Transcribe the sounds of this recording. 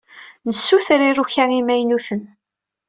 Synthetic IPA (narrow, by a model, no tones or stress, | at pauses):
nəsːuθəɾiɾuçæŋimæjnuθən